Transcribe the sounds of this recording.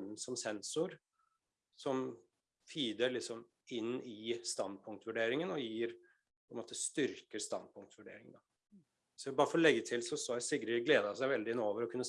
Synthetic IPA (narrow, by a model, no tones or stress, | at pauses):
sɔmsɛnsʊɾ | sɔm | fiːd̪əɭɪksɔm | ɪnːɪst̪ɑnd̪̚pʰʊŋkt̪ʋʉɖeːɾɪŋənɔjiːɾ | pʰɔɛnmoːt̪əst̪ʏɾkəɾst̪ɑ̰nd̪̚pʰʊŋk̚t̪ʋʉɖḛːɾɪŋd̪ɑ | sɔʋɪbɑːɾəfɔɾɔlɛɡːət̪ʰɪlsɔsɔæsɪɡɾəɡleːd̪ɑsæɪʋɛld̪ɪɪnoːʋəɾɔkʰʉnːə